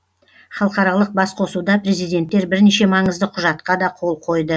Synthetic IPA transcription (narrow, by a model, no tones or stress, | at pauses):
χɑlˠqɑɾɑlˠəq̚bɑsqʰo̞sud̪ɑpɾe̞zijd̪e̞nt̪ːe̞ɾbɪɾneʃe̞mɑɴəzd̪əqʰʊʒɑt̪qɑd̪ɑqʰo̞lˠqʰo̞jd̪ə